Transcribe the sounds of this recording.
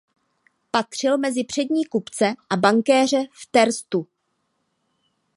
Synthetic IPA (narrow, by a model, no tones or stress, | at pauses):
pat̪r̝̥ɪlmɛzɪpr̝̥ɛdɲiːkupt͡sɛʔabaŋkɛːr̝ɛft̪ɛɾst̪u